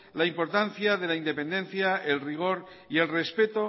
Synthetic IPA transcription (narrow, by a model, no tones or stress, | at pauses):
laimpo̞ɾt̪an̟θjað̞e̞laind̪e̞pe̞nd̪enθjaelriɣ̞o̞ɾ | ie̞lre̞spe̞t̪o